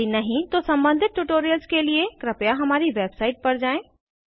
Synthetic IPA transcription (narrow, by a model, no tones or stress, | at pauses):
inɐɦĩt̪osɐ̃mbə̃nd̪ʱɪt̪̚ʈːuʈoːɾijəlskeliekɾɪpjaɦɐmaːɾiʋeːbsaːɪʈ̚pɐɾd͡ʒaːẽː